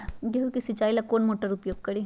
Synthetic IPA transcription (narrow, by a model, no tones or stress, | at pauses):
ɡeɦukisit͡ʃaːilakoːnmoːʈəɾʊpjoːɡ̚kɐɾiː